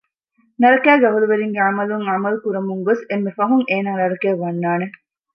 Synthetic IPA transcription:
nɐɾɐkæːɡɐʋɐluʋeɾiŋɡeamɐluŋʕamɐlkuɾɐmuŋɡosemːefɐɦuŋeːnaŋɾɐɽɐkeːʋɐnːaːne

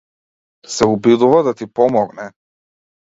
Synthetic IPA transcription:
sɛubid̪uvad̪at̪ipɔmɔɡnɛ

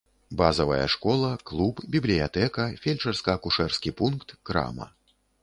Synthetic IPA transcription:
bazɐvɐ̰jɐ̰ʂkɔlˠɐklˠupbʲiblʲijat̪ɛkɐfʲelʲt͡ʂɐrskɐːkuʂɛrskʲipunkt̪ːɾa̰mɐ̰

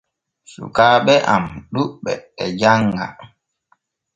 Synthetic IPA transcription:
sṵkaːɓɛʔamɗuɓɛɛd͡ʒaŋɡa̰

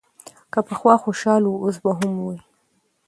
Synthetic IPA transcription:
kəpəxwɑxoʃɑluos̬baɦʊmwi

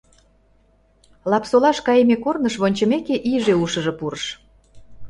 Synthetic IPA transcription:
lɑpsolɑʃkɑjemekornəʃβonʲt͡ɕə̆mekeʔiʒeuʃə̆ʒɤ̆puɾəʃ

